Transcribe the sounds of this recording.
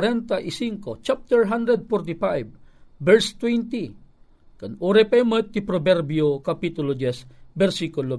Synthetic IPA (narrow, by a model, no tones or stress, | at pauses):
ɾɛnt̪aʔɪsiŋkot͡ʃap̚t̪ɛɹɦand̪ɾɛd̪̚fɔɾt̪ifajbːɛɹst̪wɛnt̪i | kanuɾɛpaimət̪ːɪpɾobɛɾbjokapit̪ʊlod͡ʒɛsbɛɾsikʊlo